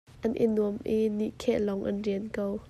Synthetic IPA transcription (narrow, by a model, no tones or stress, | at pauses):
ʔɐnʔḭnuəmʔiniʔkʰɛʔlɔŋʔɐ̰nriənkow